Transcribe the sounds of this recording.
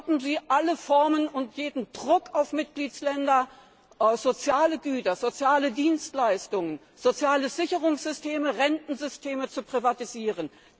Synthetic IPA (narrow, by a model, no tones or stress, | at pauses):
bm̩ziːʔaləfɔɐmənʊntjeːdn̩d̥ʁʊkaʊfmɪt̚ɡ̥liːt͡slɛndɐ | zot͡sjaːləɡyːtɐzot͡sjaːlədiːnstlaɪstʊŋən | z̥ot͡sjaːləz̥ɪçəʁʊŋsz̥ʏstʰeːməʁɛntn̩zʏstʰeːmət͡supʁ̥ivatiziːʁən